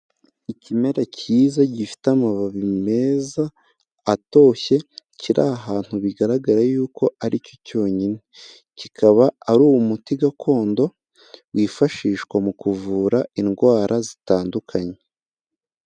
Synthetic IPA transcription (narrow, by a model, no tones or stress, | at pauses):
icime̞ɾacʰiːzaɟifi̥tamaβaβime̞zaː | to̞ːçe̞ciɾʔaːɦaːn̥huβiɡaɾaɡaɾajuːko̞ʔaɾico̞co̞ːɲine | cikʰaβaːɾuːwumutiɡakʰo̞ːndo̞ | wiːfaʃiːʃkwamukuvuːɾainɡwaːɾʔazitaːndukʰaɲe